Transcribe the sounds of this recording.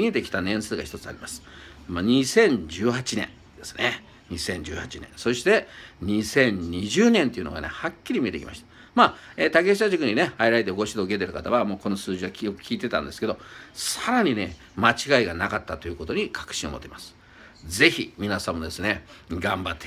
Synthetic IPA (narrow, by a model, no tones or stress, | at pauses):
ie̞t̪e̞kʲi̥t̪anẽ̞ɰ̃sɨːɡa̰çi̥t̪o̞t͡sɨa̰ɾʲimasɨ̥ | maɲ̟isẽ̞ɲ̟d͡ʑɨːhat͡ɕinẽ̞̰n | d̪̥e̞sɨ̥ne | ɲ̟isẽ̞ɲ̟d͡ʑɨːhat͡ɕinḛ̃so̞ɕi̥t̪e̞ɲ̟isẽ̞ɲ̟ɲʲiʑɨːnẽnt̪e̞iɯ̟no̞̰ɡa̰ne̞̰hakʲːiɾʲimʲie̞t̪e̞kʲḭma̰ɕi̥t̪ḁ | maeːt̪ake̞ɕiaʑikɯ̟ɲ̟ine̞haiɾaɾet̪eɡo̞ɕid̪o̞ɡe̞t̪̬e̞ɾɯ̟kat̪aβamo̞ːko̞no̞sɨːʑiβakʲo̥kʲiːt̪e̞t̪ã̰nd̪e̞sɨ̥ke̞d̪o̞saɾaɲ̟ine̞ | mat͡ɕiɡaiɡanakat̪ːat̪o̞jɯ̟ːko̞t̪o̞ɲ̟ikʰḁkɯ̟̥ɕĩomo̞t̪ːeimasɨ̥ | ze̞çimʲinasãmːo̞d̪e̞sɨne̞ɡãmbat̪ːe